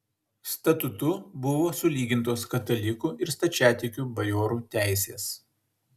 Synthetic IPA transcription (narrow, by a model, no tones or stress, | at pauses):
st̪ɐt̪ʊt̪ʊbʊʋoːsʊlʲiːɡʲɪnˑt̪oːskɐt̪ɐlʲɪkuːʔɪɾst̪ɐt͡ʃʲæːt̪ʲɪkʲuːbɐjoːɾuːt̪ʲæˑɪsʲeːs